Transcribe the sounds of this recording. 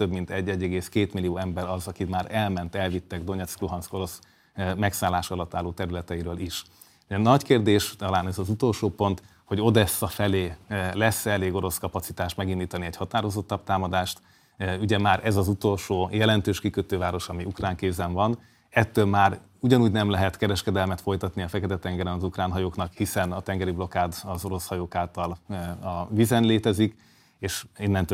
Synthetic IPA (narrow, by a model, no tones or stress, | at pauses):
t̪øbmint̪ɛɟːɛɟːɛɡeːskeːt̪milijoːɛmbɛɾɒzɒkit̪maːɾɛlmɛnt̪ɛlvit̪ːɛɡd̪o̞ɲɛt̪skloɦɒnsko̞ɾo̞s | mɛksaːlaːʃɒlɒt̪ːaːlːoːt̪ɛɾylɛt̪ɛiɾøːliʃ | ɛnɒckeːrd̪eːʃt̪ɒlaːnɛzɒzut̪o̞lʃoːpo̞nt̪ | ho̞ɟo̞d̪ɛsːɒfɛleːlɛsːɛleːɡo̞ɾo̞skɒpɒt̪sit̪aːʃt̪mɛɡind̪iːt̪ɒniɛchɒt̪aːɾo̞zo̞t̪ːɒb̚t̪aːmɒd̪aːʃt̪ | yɟɛmaːɾɛzɒzut̪o̞lʃoːjɛlɛnt̪øːʃkikøt̪øːvaːɾo̞ʃɒmiukraːŋkeːbzɛɱvɒn | ɛt̪ːøːlmaːɾ | uɟɒnuːɟnɛmlɛɦɛt̪kɛɾɛʃkɛd̪ɛlmɛt̪fo̞jt̪ɒt̪niɒfɛkɛt̪ɛt̪ɛŋɡɛɾɛnɒzukraːnɦɒjoːknɒkhisɛnɒt̪ɛŋɡɛɾiblo̞kaːd̪ɒzo̞ɾo̞shɒjoːkaːlt̪ɒlɒvizɛnleːt̪ɛzik | eːʃinːɛnt̪